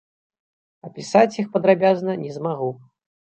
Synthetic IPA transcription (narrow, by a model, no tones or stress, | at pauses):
ɐpʲisat͡sʲjixpɐd̪ɾabʲaznɐnʲɛzmaɣu